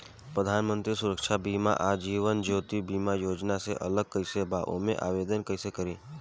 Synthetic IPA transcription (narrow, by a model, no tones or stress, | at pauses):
pɾəd̪ʱanmənt̪ɾisuɾəkʃabima̰ʔad͡ʒiːʋənd͡ʒoːt̪ibimajoːd͡ʒnaseʔə̰ləɡ̚kəisebaʔo̰mẽʔa̰ʋed̪ənkəisekəɾi